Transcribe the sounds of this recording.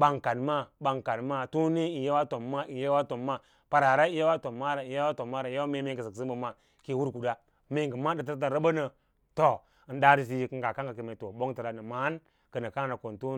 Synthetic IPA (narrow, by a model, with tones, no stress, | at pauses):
ba˨ŋka˨dma˦ɓa˨ŋka˨dma˦tu˦ni˦i˨nje˦wa˦to˨mːa˦i˨je˦wa˦to˨mːa˦ | pa˨ɾa˨ɾa˦i˦ja˦wa˦to˨mːa˦ɾa˨i˨ja˦wa˦to˨mːa˦ɾa˨ja˦me˦me˦˨ŋɡə˨zə˨ksi˦m˦bə˨ma˨ | ki˨wu˦ɾku˨da˦ | me˨ɡə˨ma˦də˨t̬ɾt̬a˦nɾə˦bə˦nə˨ | to˨ | n˦da˦ɾi˦s̬i˦kə˦ŋɡa˨ka˦ŋɡa˨ki˨me˨to˨bo˦ŋti˨ɾa˨nə˨ma˦n | kə˨nə˨ka˦ŋ˦na˨ko˨ntu˦